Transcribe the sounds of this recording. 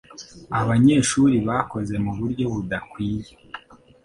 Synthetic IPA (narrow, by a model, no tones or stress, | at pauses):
aβaɲe̞ːʃuɾiβako̞ze̞muβuɾɟo̞βudakwiːje